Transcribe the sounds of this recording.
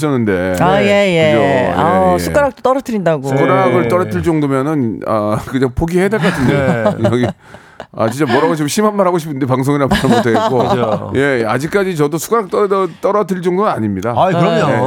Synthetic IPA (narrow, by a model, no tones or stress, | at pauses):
ɕ͈ʰʌnːɯnde̞aje̞jeɯt͡ɕoa̰sʰu̥k͈aɾak̚t͈ot͈ʌɾʌtʰɯɾindaɡosukoɾaɡɯɭt͈ʌɾʌtʰɯɭt͡ɕ͈ʌŋdomjʌnɯna̰kɯɲaŋpʰoɡiɦedeɭk͈atʰɯndejʌɡi | a̰t͡ɕint͡ɕ͈amʌɾaboɕ̬ʰiboɕʰimanmaɾɦaɡoɕʰi̥pʰɯndepaŋs̬ʰoŋiɾamaamotʰek͈oje̞ad͡ʑik͈̚ad͡ʑit͡ɕʌdosʰu̥k͈aɾak̚t͈ʌdʌt͈ʌɾʌtʰiɭt͡ɕ͈ʌŋdonnaɲimɲidaakɯɾʌmoe